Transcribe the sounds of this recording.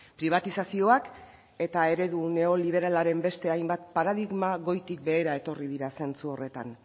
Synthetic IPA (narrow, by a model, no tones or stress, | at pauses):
pɾiβ̞at̪isasio̞ak | e̞t̪ae̞ɾe̞ðune̞o̞liβ̞e̞ɾalaɾe̞mbe̞st̪e̞ajmbat̪̚paɾaðiɣmaɣo̞jt̪ik̚be̞ːɾae̞t̪o̞riðiɾase̞nt͡suo̞re̞t̪a̰n